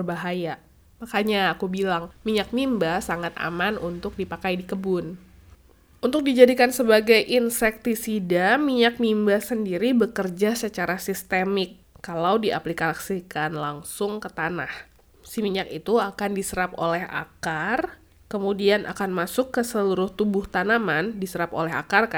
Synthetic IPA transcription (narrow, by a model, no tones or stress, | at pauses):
rbaɦaja | makaɲaːkubilaŋmiɲak̚mimbasaŋat̪a̰manunt̪ʊk̚dipakajdikəbʊn | unt̪ʊk̚did͡ʒadikansəbaɡajʔinsɛk̚t̪isidamiɲak̚mimbasəndiɾibəkərd͡ʒasət͡ʃaɾasist̪emɪkː | alawdiʔa̰plikaksikanlaŋsʊŋkət̪anah | simiɲakit̪uakandisəɾapo̰lɛha̰kar | kəmudianʔa̰kanmasʊkːəsəluɾʊht̪ubʊht̪anamandisəɾapo̰lɛɦa̰kark